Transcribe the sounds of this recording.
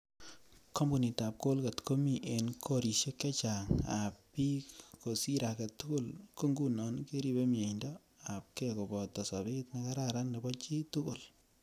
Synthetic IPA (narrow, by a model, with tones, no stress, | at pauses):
ko˦mbu˨ni˨ta˨p̚ko˦lka˨tko˦mi˦ʔe˨nkʰo˦ɾi˨se˦kɛ˦t͡ʃa˨ŋa̰˨ppi˦ko˨si˦ɾa˨kɛ˨tʊ˦kʊ˦lko˦ŋɡu˦nɔ˨˦nke˦ɾi˦be˦mje˨ndɔ˦ | a˨p̚kɛ˦ko˨bɔ˨tɔ˨sa˨bi˦tna˦ka˦ɾa˦ɾa˦nːe˨bɔ˦t͡ʃi˦tʊ˦kʊ˨l